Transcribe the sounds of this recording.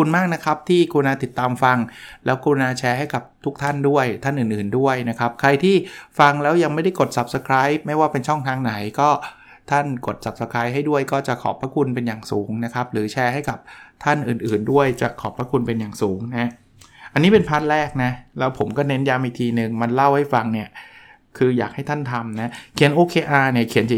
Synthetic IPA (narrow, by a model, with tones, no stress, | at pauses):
u˧nmaː˥˩k̚na˦˥kʰa˦˥p̚t̪ʰiː˥˩kuː˧naː˧t̪i˨˩t̪ːaː˧mfa˧ŋlɛː˦˥wkuː˧naː˧t͡ɕʰɛː˧ɦa˥˩jka˨˩p̚t̪ʰu˦˥k̚t̪ʰa˥˩ndu˥˩əjt̪ʰa˥˩nʔɯː˨˩nʔɯː˨˩ndu˥˩əjna˦˥kʰa˦˥p̚kʰɾa˧jt̪ʰiː˥˩fa˧ŋlɛː˦˥wja˧ŋma˥˩jda˥˩jko˨˩t̪̚sa˨˦˩p̚sa˧kʰɾaː˦˥j̚ma˥˩jwaː˥˩pe˧nt͡ɕʰɔ˥˩ŋt̪ʰaː˧ŋna˨˩˦jkɔː˥˩ | t̪ʰa˥˩nko˨˩t̪̚sa˨˩p̚sa˧kʰɾaː˦˥jɦa˥˩jdu˥˩əjkɔː˥˩t͡ɕa˨˩kʰɔ̰ː˨˩˦pʰɾaː˦˥kʰu˧npe˧njaː˨˩ŋsuː˩˦ŋna˦˥kʰa˦˥p̚ɾɯː˩˦t͡ɕʰɛː˧ɦa˥˩jka˨˩p̚t̪ʰa˥˩nʔɯː˨˩nʔɯː˨˩ndu˥˩əjt͡ɕa˨˩kʰɔː˨˩pʰɾa˦˥kʰu˧npe˧njaː˨˩ŋsuː˩˦ŋna˦˥ | ʔa˧nːiː˦˥pe˧npʰaː˦˥t̪̚ɾɛː˥˩k̚na˦˥lɛː˦˥wpʰo˩˦mkɔː˥˩ne˦˥njaː˧mʔi˨k̚t̪ʰiː˧nɯ˨˩ŋma˧nla˥˩wha˥˩jfa˧ŋni˥˩ɐ | kʰɯː˧jaː˨˩k̚ha˥˩jt̪ʰa˥˩nt̪ʰa˧mna˦˥kʰi˩˦nʔoː˧kʰeː˧ʔaː˧ni˥˩ɐkʰi˩˦nt͡ɕa˨